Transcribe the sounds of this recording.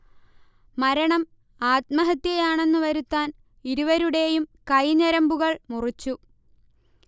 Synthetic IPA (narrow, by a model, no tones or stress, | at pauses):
mɐɾɐɳɐm | aːt̪mɐɦɐt̪jɐjaːɳe̞nːɨʋɐɾut̪ːaːn | iɾuʋɐɾuɽe̞jumkɐjɲɐɾɐmbuɣɐɭmurit͡ɕːu